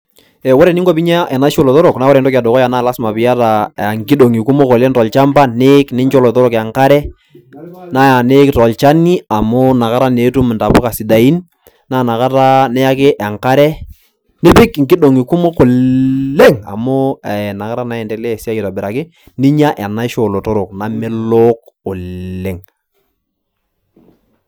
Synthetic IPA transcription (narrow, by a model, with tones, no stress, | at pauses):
ɛ˨wo˦ɾɛ˨nɪ˦ŋko˦pi˦ɲa˦ʔɛ˨na˦ʃo˨lɔ˨to˦ɾo˨kna˦wɔ˦ɾɛ˨n˦tɔ˦ka˨do˨kɔ˦ja˨naː˦˨la˦sma˨pɪ˨ja˦ta˨ŋkɪ˦do˨ŋi˨ku˦mo˦ko˨le˦ŋtɔ˨lt͡ʃa˦mba˦ne˦knɪ˦ɲt͡ʃo˦lɔ˨to˦ɾɔ˨ka˨ŋka˦ɾɛ˦ | na˦ja˨ne˦ktɔ˨lt͡ʃa˦ni˦a˨mʊ˦na˨ka˦ɾa˦ne˨˦tu˦m˨nta˨pʊ˦ka˨si˨da˨i˦n | na˦˨na˨ka˦ta˦nɛ˦ja˦kɪ˦ʔɛ˨ŋka˦ɾɛ˦ | ne˦pɪ˦kŋkɪ˦do˨ŋi˨ku˦mo˦ko˨ | e˦ŋa̰˨mʊ˦˨na˨ka˦ɾa˦na˨ɛ˨ndɛ˨lɛ˦˨si˦a˦ji˨ta˨bɪ˨ɾa˨kɪ˦ | nɪ˦ɲa˦ʔɛ˨na˦ʃo˨lo˨to˦ɾo˨k̚na˨mɪ˦lo˦k̚ʊ˨le˦ŋ